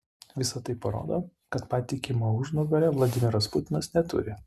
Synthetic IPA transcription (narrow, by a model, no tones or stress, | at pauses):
ʋʲɪsɐt̪ɐɪpɐɾo̰ːd̪oːkɐt̪pɑːt̪ʲɪkʲɪmoʊʒnʊɡɐlʲɛʋlˠɐd̪ʲɪmʲɪɾɐspʊt̪ʲɪnɐsnʲɛt̪ʊ̰ɾʲɪ